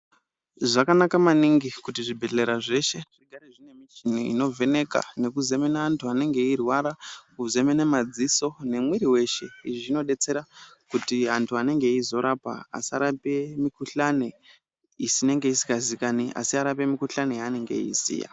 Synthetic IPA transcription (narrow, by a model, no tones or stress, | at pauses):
ʐakanakamaniŋɡikutiʐibʱeɮe̞ɾaʐe̞ʃe̞ʐ̥iɡʱaɾeʐine̞mit͡ʃinoḭno̞ve̞ne̞ka̰ne̞kuze̞me̞naːntʰuane̞ŋɡe̞irwaɾakuze̞menemad͡ziso̞ne̞mwiɾiwe̞ʃe̞iʐʐino̞ɗe̞t͡se̞ɾa | kutiɦantʰuane̞ŋɡe̞izo̞ɾapa̰ːsaɾape̞mikuɬane | isine̞ŋɡe̞isi̥kazikaniʔa̰siaɾape̞mikuɬanejaːne̞ŋɡe̞̰ḭsḭja̰